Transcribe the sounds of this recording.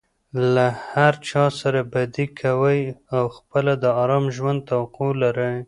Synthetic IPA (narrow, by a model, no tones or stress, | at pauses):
lahaɾt͡ʃɑsaɾabad̪ikʰawəjawxpəlad̪əɑɾɑmʒwand̪̚t̪awaqolaɾəj